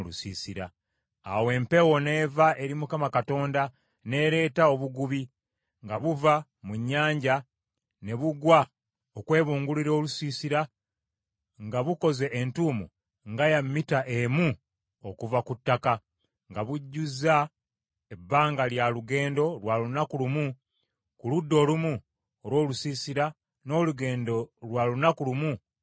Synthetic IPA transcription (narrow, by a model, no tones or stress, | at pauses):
lusiːsiɾaː | we̞ːmpe̞wo̞ne̞vaʔeɾimukamakato̞ːnda | ne̞ɾe̞ːtao̞βuɡuβi | ŋɡaβuva | muɲːaːɲɟa | ne̞βuɡwa | okwe̞ːβuːŋɡuliɾo̞ːlusiːsiɾa | ŋɡaβuko̞ze̞ʔentumṵ | ŋɡajamːitaʔemu | okuvakutːaka | ŋɡaβuɟːuza | ebːaːŋɡaljaluɡe̞ːndo̞lwalunakulumu | kuludːo̞ːlumu | oɾwo̞ːlusiːsiɾa | no̞ːluɡe̞ːndo̞lwalunakulumu